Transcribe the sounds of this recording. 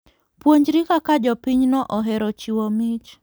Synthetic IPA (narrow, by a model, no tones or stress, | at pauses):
pwoɲd͡ʒɾikakad͡ʒɔpiɲnɔʔɔɦɛɾɔt͡ʃiwomit͡ʃ